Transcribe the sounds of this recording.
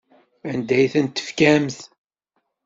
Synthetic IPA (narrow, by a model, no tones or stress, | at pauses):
ænd̪æjθænt̪ːə̥fkæmθ